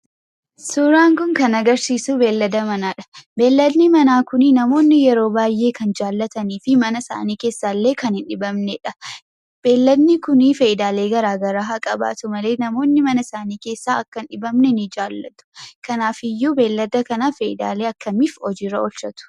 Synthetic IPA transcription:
suɾaːŋkʊŋkɐnɐɡɐɾsiːsuːbe̞ːlːɐd̪ɐmɐnaːᶑɐ̥be̞ːlːɐd̪nɪmɐnaːkʊnɪnɐmo̞ːnːɪjɛɾo̞ːbaːjːe̞ːkɐnd͡ʒaːlːɐt̪ɐniːfɪmɐnɐsa̰ːniːke̞ːsːaːlːe̞ːkɐnhɪnᶑɪbɐmnɛᶑɐ | b̥e̞ːlːɐd̪nɪkʊnifeʔɪd̪aːle̞ːɡɐɾaːɡɐɾaːɦɐkʼɐba̰ːt̪ʊmɐle̞ːnɐmo̞ːnːɪmɐnɐsaːniːke̞ːsːaːɐkːɐnᶑɪbɐmnɛnɪd͡ʒaːlːɐ̰t̪ʊ̥kɐnaːfɪjːuːbe̞ːlːɐd̪ɐkɐnafeʔɪd̪a̰ːle̞ːɐkːɐmifɔd͡ʒiɾɐɔlʃɐt̪ʊ̥

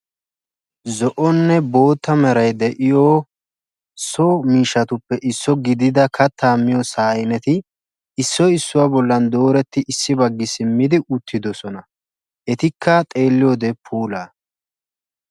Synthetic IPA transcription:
zɔʔɔnːɛbo̞ːt̪ːɐmɛɾɐjd̪ɛʔɪjoː | somiːʃːɐt̪ʊpːɛʔɪsːɔɡɪd̪ɪd̪ɐkʰɐt̪ʰːaːmːɪjɔsaːjɪnɛt̪ɪː | sːɔɪsːʊwaːbɔlːɐnd̪o̞ːɾɛt̪ːɪʔɪsːɪbɐɡːɪsɪmːɪd̪ɪʔʊt̪ʰːɪd̪ɔsɔnɐ | ʔɛt̪ɪkʰːɐt̪ʼe̞ːlːɪjoːd̪ɛpʰuːlaː

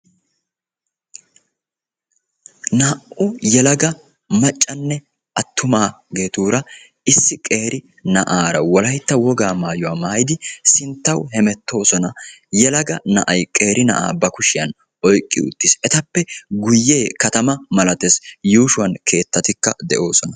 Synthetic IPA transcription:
nɐːʔʔʊjɛlɐɡɐ | mɐt͡ʃʼːɐnːɛ | ʔɐt̪ʰːʊmaːɡe̞ːt̪uːɾɐ | ɪsːɪkʼe̞ːɾɪ | nɐʔaːɾɐwɔlɐjt̪ːɐwɔɡaːmaːjʊwaːmaːjd̪ɪsɪnt̪ːɐwhɛmɛt̪ːo̞ːsɔnɐjɛlɐɡɐnɐʔɐjkʼe̞ːɾʔɪnɐ̰ʔa̰ːbɐkʊʃɪjɐn | ɔjkʼːɪ̰ʊ̰t̪ːɪsɛt̪ɐpːɛɡʊjːe̞ːkɐt̪ɐmɐmɐlɐt̪esjuːʃʊwɐnkʰe̞ːt̪ːɐt̪ɪkːɐd̪ɛʔo̞ːsɔnɐ

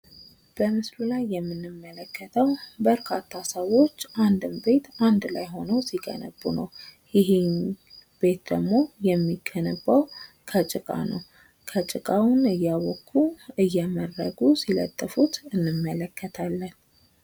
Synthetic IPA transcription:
b̥əmɨslulajːɛmːɨnːɨmːələkʰːət̪ʰəwbəɾkʰat̪ʰːasəwo̞t͡ʃːʔand̪ɨmbe̞t̪and̪lajɦo̞nəwsiɡʼə̰nəbːunəw | jɪɦenbe̞t̪̚d̪əɡmo̞jɛmːiɡʰənəbːaw | kʰət͡ʃʼɨkʼa̰nə̰w | kʰət͡ʃʼɪkʼawʊnɨjːawɔkʰːuɨjːɛmərːəɡusilə̰t̪ʼːəfut̪ɨnːɨmːələkʰːət̪ʰalːən

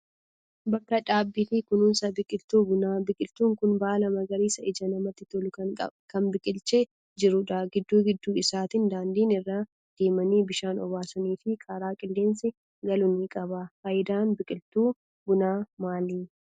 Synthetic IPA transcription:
bɐkːɐᶑaːbːiːfɪkʊnʊnsɐbɪkʼɪlt̪uːbʊnaːbɪkʼɪlt̪uːŋkʊnbaːlɐmɐɡɐɾiːsɐʔɪd͡ʒɐnɐmɐt̪ːɪt̪ɔlʊkɐkʼɐ̰kɐnbɪkʼɪlt͡ʃeː | d͡ʒɪɾʊᶑɐɡɪd̪ːuːɡɪd̪ːuːɪsaːt̪ɪnd̪aːnd̪iːnɪrːaː | d̪̥e̞ːmɐniːbɪʃaːnɔ̰baːsɐniːfɪkʼaːɾaːkʼɪlːe̞ːnsɪ | ɡɐlʊnikʼɐbɐfɐjɪd̪aːnbɪkʼɪlt̪uː | bʊnaːmaːliː

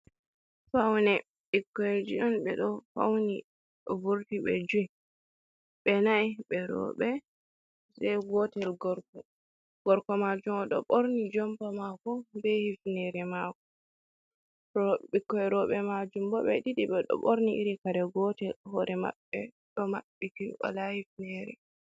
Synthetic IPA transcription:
fawnɛ | ɓikːɔed͡ʒiɗɔnɓɛ̰ɗɔfa̰wni | ɗɔbuɾtiɓɛ̰d͡ʒuɛ | ɓɛnaiɓɛɾɔ̰ɓɛ | sɛɡɔtɛlɡɔɾkɔ | ɡ̥ɔɾkɔmad͡ʒumɔɗɔ̰ɓoɾnid͡ʒɔmpamakɔbɛhifnɛɾɛmaːkɔ | ɾɔɓikːɔɛɾɔɓɛmad͡ʒumbɔɓɛɗiɗiɓɛɗɔ̰ɓoɾniʔiɾikaɾɛɡɔtɛlhɔɾʔɛma̰ɓːɛ | ɗɔmaɓːitiwa̰lahifnɛɾɛ̰

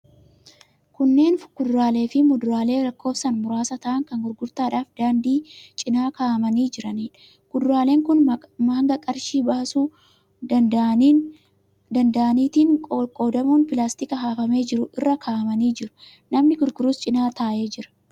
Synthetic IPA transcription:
kʊnːe̞ːnɡ̥ʊd̪ɾaːle̞ːfɪmʊd̪ʊɾaːle̞ːɾɐkːo̞ːfsɐnmʊɾaːsɐt̪ɐʔɐŋkɐŋɡʊɾɡʊɾt̪aːᶑaːfd̪aːnd̪iːt͡ʃʼɪnaːkaːʔɐmɐniːd͡ʒɪɾɐniːᶑ | ɡ̥ʊd̪ɾaːle̞ːŋkʊnmaːŋɡɐkʼɐɾʃiːbɐɐsuː | d̪ɐnd̪ɐʔɐniːt̪iːŋkʼoːd̪ɐmuːnpɪlaːst̪ɪkɐɦaːfɐme̞ːd͡ʒɪɾʊʔɪrːɐkʰaːʔɐmɐniːd͡ʒɪɾʊ̥ | nɐmnɪɡʊɾɡʊɾuːst͡ʃʼɪnaːt̪aːʔe̞ːd͡ʒɪɾɐ̥

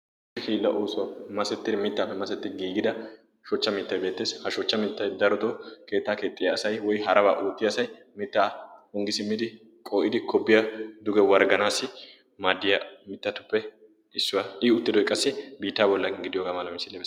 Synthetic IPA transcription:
ɪkiːlːɐ̰ʔoːsʊwɐmɐsɛt̪ːɪd̪ɛmɪt̪ːaːpːɛmɐsɛt̪ːɪɡiːɡɪd̪ɐ | ʃɔt͡ʃːɐmiːt̪ːɐjbe̞ːt̪ːe̞ːshɐʃɔt͡ʃːɐmɪt̪ːɐjd̪ɐɾɔt̪ɔke̞ːt̪ːaːke̞ːt̪ʼːɪjɐːsɐjwɔjɦɐɾɐba̰ːʔoːt̪ːɪjɐsɐj | mɪt̪ːahɔŋɡɪsɪmːɪd̪ɪ | kʼoːʔɪd̪ɪkɔbːɪjɐd̪ʊɡɛwɐɾɡɐnaːsːɪ | maːd̪ːɪjɐmɪt̪ːɐt̪ʊ̥pːɛ | ɪsːʊwɐʔɪʊt̪ːɪd̪ɔjkʼːɐsːɪbiːt̪ːaːbɔlːɐɡɪɡɪd̪ɪjoːɡaːmɐlɐmɪsɪlːɛbeː

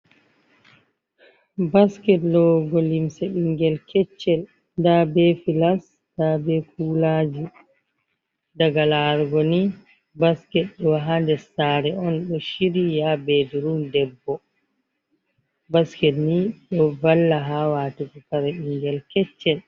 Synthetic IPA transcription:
baskɛtlɔɡɔlimsɛɗiŋɡɛlkʰɛt͡ʃːɛl | dabɛfilas | d̥abɛkuːlad͡ʒi | daɡalaɾɡɔni | baskɛt̚ɗɔwaɦandɛsaːɾɛɔnɗɔʃiɾijabediɾundɛbːɔ | baskɛtniɗɔvalːaɦawaːtikɔkaɾɛɗiŋɡɛlkɛt͡ʃːɛl

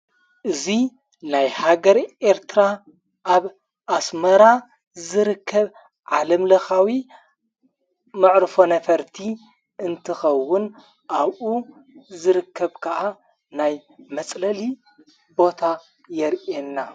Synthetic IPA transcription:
ʔɨzi | najhaɡɐɾʔe̞ɾt̪ʰɨɾa | ʔaβ | ʔasmɐɾa | zɨɾɨkʰːɐβ | ʕalɐmlɐxawi | mɨʕɾɨfo̞nɐfɐɾt̪ʰi | ʔɨnt̪ʰɨxɐwːʊn | ʔaβʔu | zɨɾɨkʰːɐβkʰɐʔa | najmɐt͡sʼlɐli | bo̞t̪ʰa | jɛɾʔenːa

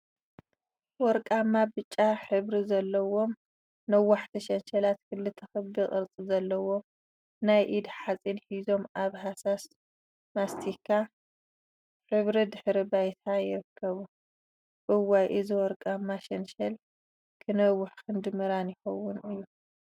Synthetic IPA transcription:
wɔɾkʼamːabɨt͡ʃʼːaħɨβɾizɐlːɐwo̞m | nɐwːaħt̪ʰiʃɐnʃɐlat̪kʰɨlːɨt̪ʰɐxɨβbiχʼɨɾt͡sʼizɐlːɐwo̞m | najʔid̪ħat͡sʼinħizo̞mʔaβɦasas | mast̪ʰikʰa | ħɨβɾid̪ɨħɾibajt̪ʰajɪɾɨkʰːɐβu | ʔɨwajʔɨzɨwɔɾkʼamːaʃɐnʃɐl | kʰɨnɐwːʊħkɨnd̪ɨmɨɾanjɪxɐwːʊnɨjːu

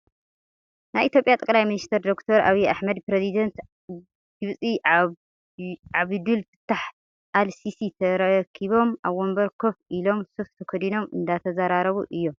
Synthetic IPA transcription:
najʔit̪jo̞pʼjat̪ʼɐkʼlajminist̪ʰɐɾd̪o̞kt̪ʰoɾʔa̰βiaħmɐd̪pɾezid̪ɐnt̪ | ɡ̥ɨβt͡sʼi | ʕaβd̪ɨlt̪ʰɨ̥t̪ʰːaħ | ʔalsisit̪ʰɐɾɐkʰiβo̞mʔaβwombɐɾkʰo̞fʔilo̞msɨft̪ʰɐkʰɐd̪ino̞mɨ̰nd̪at̪ʰɐzaɾaɾɐβuʔɨjːom

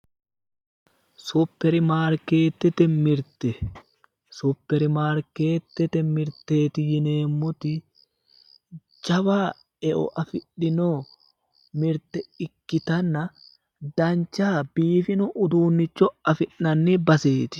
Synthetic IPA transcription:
supːɛɾɪmaːɾke̞ːt̪ːɛt̪ɛmɪɾt̪ɛ | sʊpːɛɾɪmaːɾkeːt̪ːɛt̪ɛmɪɾt̪ːeːt̪ɪjɪneːmːʊt̪ɪ | d͡ʒɐwaː | ɛʔɔ̰ʔɐfɪᶑːɪnoː | mɪɾt̪ɛɪkːɪt̪ɐnːɐ | d̪ɐnt͡ʃːaːbiːfɪnʊʔʊd̪uːnːɪt͡ʃːɔɐfɪʔːɐnːibɐseːt̪ɪ̥

